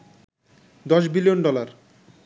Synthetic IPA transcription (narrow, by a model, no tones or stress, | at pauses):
d̪ɔʃbilijonɖɔlaɾ